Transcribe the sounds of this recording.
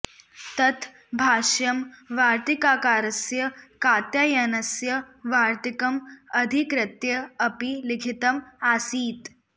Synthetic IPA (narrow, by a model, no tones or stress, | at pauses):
t̪ɐt̪ʰ | bʱaːʃjɐmʋaːɾt̪ikaːkaːɾɐsjɐkaːt̪jajɐnɐsjɐ | ʋaːɾt̪ikɐmɐd̪ʱikɾɐt̪jɐɐpilikʰit̪ɐmaːsiːt̪